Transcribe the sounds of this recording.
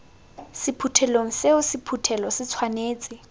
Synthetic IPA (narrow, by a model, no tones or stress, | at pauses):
sɪpʰutʰɛloŋ̩seʊsɪpʰutʰɛlɔsɪt͡sʰwaneːt͡sʼɪ